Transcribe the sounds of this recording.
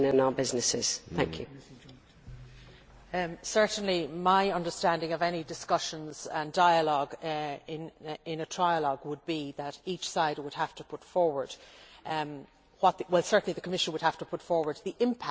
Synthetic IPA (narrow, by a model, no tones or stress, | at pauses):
nə̃naʊəbɪznɪsɪ̰z̥θæ̰̃ŋkʰjʉ̰ | sɜ˞ʔn̩limaɪʌ̃ndə˞stæ̃ndɪ̃ŋʌvɛnidɪskʌʃə̃nz̥ə̃ndaɪəlɔɡɪ̃nɪ̃nətʰɹ̥aɪəlɔɡwəd̚biðəɾit͡ʃsaɪɾəwəd̥̚ɦaftəpʰʊtfɔːɹwə˞d̥ | wʌt̪̚ðwɛlˠsɜ˞ʔn̩liðəkʰəmɪʃə̃n̩wəd̥̚haftəpʰʊtfɔːɹwə˞d̪̚ðiʔɪ̃mpʰa